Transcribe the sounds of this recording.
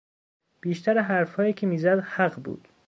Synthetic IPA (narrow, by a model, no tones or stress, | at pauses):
b̥iːʃt̪ʰæɾeɦæɾfhɒːjiːcʰemiːzæd̪hæɢbṵːd̪̥